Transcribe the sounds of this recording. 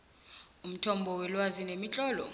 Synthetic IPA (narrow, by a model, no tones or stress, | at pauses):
um̩tʰɔmbʱɔwɛlwazinemit͡ɬʼɔːlɔ̰